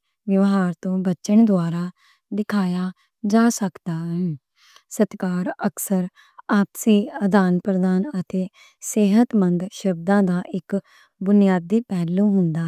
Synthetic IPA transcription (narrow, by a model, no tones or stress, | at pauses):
ʋjəʋɦaːɾt̪õːbət͡ʃəɳd̪ʊaːɾaː | d̪ɪkʰaːjaː | d͡ʒaːsəkd̪aːɦɛː | sət̪kaːɾəksəɾ | aːpsiːəd̪aːnpɾəd̪aːnət̪eː | seːɦət̪mənd̪ʃəb̚d̪ãːd̪aːʔɪk | bʊnɪjaːd̪iːpɛːlõːɦʊnd̪aː